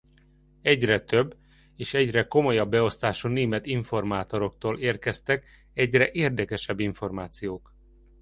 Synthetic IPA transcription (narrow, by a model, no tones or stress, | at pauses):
ɛɟrɛt̪øbː | eːʃɛɟrɛko̞mo̞jɒbːɛo̞st̪aːʃuːneːmɛt̪iɱfo̞rmaːt̪o̞ɾo̞kt̪oːleːrkɛst̪ɛk | ɛɟrɛʔeːrd̪ɛkɛʃɛbːiɱfo̞rmaːt̪sijoːk